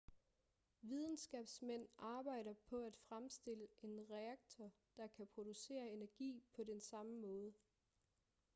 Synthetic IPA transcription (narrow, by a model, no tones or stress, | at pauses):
ʋið̞ˠn̩sɡ̥ɛ̰b̥smen̰ɑ̈ːb̥ɑ̈ɪ̰ɾɐpʰɒ̽æd̥fʁamsd̥e̝ləʔe̝nʁɛɑɡ̥̚t͡sʰɒ | d̥ɑ̈kʰæpʰʁo̝d̥use̝̰ːɐe̝næɐɡ̥ḭːpʰɒ̽densɑ̈məmɔ̽ːð̞ˠə